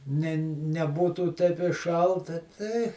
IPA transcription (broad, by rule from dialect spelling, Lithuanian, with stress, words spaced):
ˈnʲɛ nʲɛˈbuːtuː tʲɛɪp ɪ ˈʃɐlˠtɐ tʲɛɪ